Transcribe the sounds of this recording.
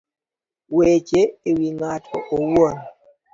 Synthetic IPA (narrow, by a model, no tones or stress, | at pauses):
wet͡ʃeewiŋatʰɔ̰ʔowon